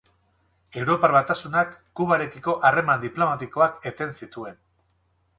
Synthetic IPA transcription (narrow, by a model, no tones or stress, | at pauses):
e̞wɾo̞paɾβat̪asunakːuβaɾe̞kiko̞ʔare̞mand̪iplo̞mat̪iko̞ake̞t̪e̞nsit̪ue̞n